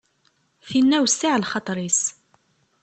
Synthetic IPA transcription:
θinːæwsːɪʕlχɑt̪ˤɾis

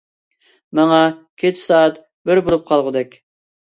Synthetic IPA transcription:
mɑŋɑkʲʰet͡ʃʰsɑːt̪ | bɪɾbolˠup̚qʰɑlˠʁʊd̪ɛkʲ

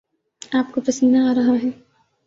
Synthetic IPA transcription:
aːpkopɐsənd̪aaːɾɐɦaɦɛː

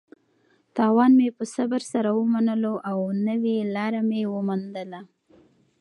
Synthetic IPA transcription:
t̪ɑwɑnmepəsabaɾsaɾawəmanəloʔawnəwelɑɾamewəmand̪əla

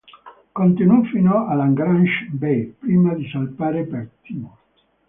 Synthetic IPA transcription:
kont̪inufːinoɔʔalaŋɡɾanʃbepɾiːmad̪isalpaːɾepɛɾt̪ːimo

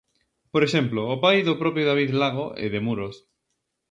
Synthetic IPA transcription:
poɾeʃemploːpajðʊpɾɔpjoðaβiðlaɣoʔḛðemuɾos

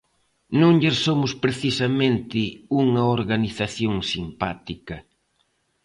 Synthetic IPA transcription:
nũŋʎesomʊspɾeθisɐmẽnt̪ɪuŋɐoɾɣaniθaθjoŋsimpat̪ikɐ

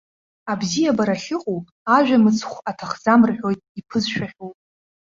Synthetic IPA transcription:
abzijabaɾaɬʲɪqʼupʼaʒᶣamɨt͡sʰχʷatʰaχzamrħʷᶣo̞jtʼipʰɨzʃᶣaχʲowpʼ

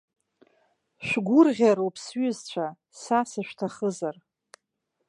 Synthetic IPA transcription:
ʃʷᶣɡʷʊrʁʲaɾopʰsɥʏzt͡ɕʷʰa | sasaʃᶣtʰaχəzar

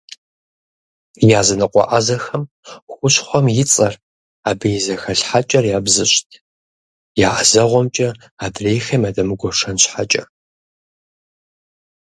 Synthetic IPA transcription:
jaːzɐnɨqʷʼɔ̰ʔazɐxɐm | xʷʊɕχʷɔmjɪt͡sʼɐr | aːbɐjzɐxɐɬħat͡ʃʼɐrjaːbzɨɕtʰ | jaːʔɐzɐʁʷɔmt͡ʃʼɐ | aːdreːjxɐmadɐmɨɡʷɔʂɐnɕħat͡ʃʼɐ

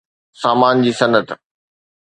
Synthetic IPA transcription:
saːmaːnd͡ʑiːsɐnət̪

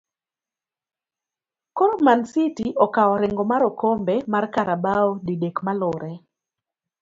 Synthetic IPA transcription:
kɔɾɔmansitiʔɔkawɔɾɪŋɡɔmaɾɔkɔmbɛmarkaɾabaɔdidekmalʊɾɛ

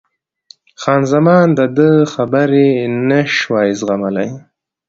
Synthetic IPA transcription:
xɑːnzamɑːnd̪əd̪əxabəɾenəʃwɑjɪzɣamala̰j

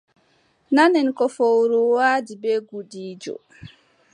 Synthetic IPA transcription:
nanɛnkɔfowɾuwaːdibɛɡuɗiːd͡ʒɔ̰

